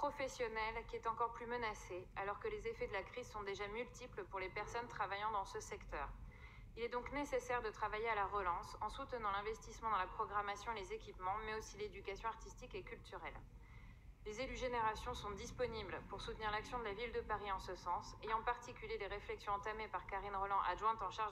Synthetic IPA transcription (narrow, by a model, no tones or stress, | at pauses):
pχɔfɛsjɔnɛlkʲiɛt̪ɑ̃kɔʁplymənasealɔʁkəlezefɛd̪əlakχizsɔ̃d̪eʒamylt̪ipləpuʁlepɛʁsɔnt̪χavajɑ̃d̪ɑ̃səsɛkt̪œːʁ | ilɛd̪ɔ̃knesesɛʁd̪ət̪χavajealaʁəlɑ̃sɑ̃sut̪ənɑ̃lɛ̃vɛst̪ismɑ̃d̪ɑ̃lapχɔɡʁamasjɔ̃elezekʲipmɑ̃mɛosiled̪ykasjɔ̃aʁt̪ist̪ikekʲylt̪yʁɛl | lezelyʒeneʁasjɔ̃sɔ̃d̪ispɔniblpuʁsut̪niʁlaksjɔ̃d̪əlavild̪əpaʁiɑ̃səsɑ̃seɑ̃paʁt̪ikʲyljeleʁeflɛksjɔ̃ɑ̃t̪amepaʁkaʁinʁɔlɑ̃ʔaʒwɛ̃t̪ɑ̃ʃaʁʒ